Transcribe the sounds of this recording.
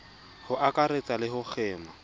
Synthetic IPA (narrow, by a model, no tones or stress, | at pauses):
hʊʔakʼaɾet͡sʼalɪɦʊk͡xʰɛːma